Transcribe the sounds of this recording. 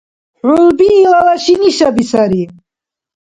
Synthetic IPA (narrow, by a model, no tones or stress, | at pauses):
ħulbiːlalaʃiniʃabisaɾi